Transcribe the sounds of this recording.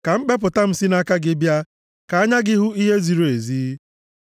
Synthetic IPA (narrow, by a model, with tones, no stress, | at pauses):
ka˨m̩˦k͡pe˦p̬ʊ˨ta˦m̩˦si˦na˦ka˦ɡɪ˦bja˦ | ka˨a˦ɲa˦ɡɪ˦ɦʊ˦i˦ɦe˦zi˨ɾo˨e˨ziː˦